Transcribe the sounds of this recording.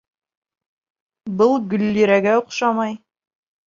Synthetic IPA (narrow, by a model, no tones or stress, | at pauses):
bɤlˠɡɵ̆lːiɾæɡæoqʃɑmɑj